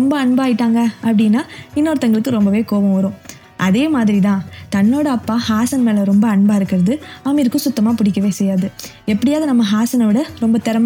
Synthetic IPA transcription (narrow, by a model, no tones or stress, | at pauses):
ɾɔmbɐɐɳbaːjɪʈːaːŋɡɐɐpːɐɽɪnːaːɪnːoːɾt̪ːɐŋɡɐɭɯkːɯɾɔmbɐʋeːkoːʋɐ̃ʋɐɾõː | ʔɐðeːmaːðɪɾit̪ãːt̪ɐnːoːɽɐɐpːaːhaːsɐnmeːlɐɾɔmbɐːɳbaːɪɾɯkːɪɾɐðɯɐmiɾɯkːɯ̃sʊt̪ːɐmaːpʊɽɪkːɐʋeːsɛjːaːðɯ | ɛpːɐɽɪjaːðɯnɐmːɐɦaːsɐnɐʋɪɽɐɾɔmbɐt̪ɛɾɐm